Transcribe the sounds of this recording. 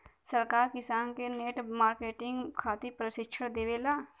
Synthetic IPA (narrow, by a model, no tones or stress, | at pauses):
səɾkaːɾkɪsaːnkeneːʈmaːɾkeːʈɪ̃ŋɡkʰaːt̪ipɾəʃɪkʃʰəɽd̪eːʋeːlaː